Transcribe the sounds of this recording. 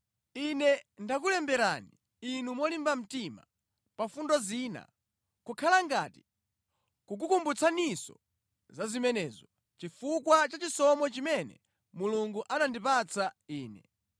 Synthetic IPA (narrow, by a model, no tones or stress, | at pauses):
inɛndak̬ulɛmbɛɾani | inumɔlimbam̩tima̰ | pafundɔziːna̰ | kukʰalaŋɡati̥ | kuk̬ukumbut͡sʰanisɔ̰ | zazimɛnɛzɔ | t͡ʃifukwat͡ʃat͡ʃisɔmɔt͡ʃimɛnɛ̰ | muluŋɡuʔanandipat͡sʰaiːnɛ